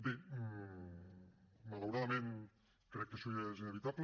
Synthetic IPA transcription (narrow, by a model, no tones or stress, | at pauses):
d̪e | malawɾaðamẽn | kɾɛkːesujezineβit̪aβl